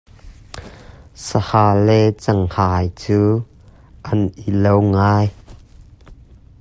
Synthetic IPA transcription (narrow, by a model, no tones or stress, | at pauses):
səhaːlɛt͡sɐŋhaːjt͡suː | ʔɐnʔilowŋaːj